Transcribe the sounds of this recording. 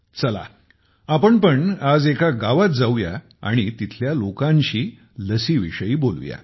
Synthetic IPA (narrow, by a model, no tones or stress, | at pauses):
t͡səla̰ | apəɳpəɳad͡zekaɡaʋat̪̚d͡zawja | a̰ɽ̃it̪it̪ʰljalokãɲɕiː | ləsiʋḭʂəiːbolʋja̰